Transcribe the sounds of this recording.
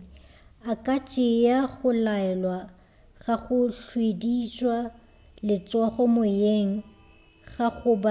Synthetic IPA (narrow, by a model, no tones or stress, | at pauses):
akʼat͡ʃʼɪjaɣʊlaɛlwa | ɣaɣʊɬwedit͡ʃʼwa | lɪt͡sʼɔχɔmʊjeŋ̩ | ɣaɣʊba